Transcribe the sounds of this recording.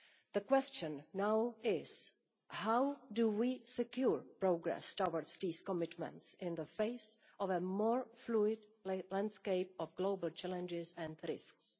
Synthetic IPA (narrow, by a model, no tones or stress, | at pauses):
ð̥əkwɛst͡ʃə̃nːawɪz̥ | hawduwisɛkjuɹpɹoɡɹɛ̰stawəɹstiskɔmɪtmɛ̰̃ntsɪ̃nðəfeɪs | ɔvəmɔːɹfluɪdlãndskeɪp̚ɔfɡloʊbəl̩t͡ʃɛlɛ̃nd͡ʒɪzɛ̃ndɾɪ̰sks